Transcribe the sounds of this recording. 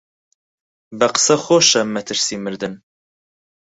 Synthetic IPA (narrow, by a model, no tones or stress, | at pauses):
bɛqə̥sɛxoːʃɛmɛt̪ʰɨɾsimɨɾd̪ɨn